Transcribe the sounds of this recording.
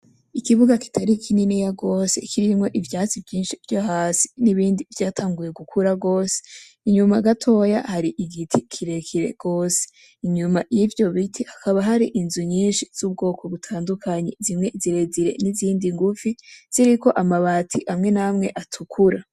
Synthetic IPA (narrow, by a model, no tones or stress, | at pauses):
ikiβuɡaki̥tʰaɾikʰininejaɡo̞ːse̞̰kʰiɾimŋo̞ʔivjaːt͡sivjiːnʃivjahaːsi̥niβiːndivjaːtʰaːŋɡuje̞ɡukʰuɾaɡo̞ːse̥ | iɲumaɡatʰo̞ja̰haɾiʔiɡitʰikʰiɾe̞kʰiɾe̞̰ɡ̥o̞ːse̥ | iɲumajivjo̞βitʰihakʰaβaɦaɾiʔinzuɲiːnʃiz̥ub̚ɡo̞ːko̞βutʰaːndukʰaɲezimŋe̞ziɾe̞ziɾe̞̰niziːndiŋɡufiz̥iɾiko̞ʔamaβaːtʰiʔamŋe̞namŋe̞ʔatʰukʰuɾa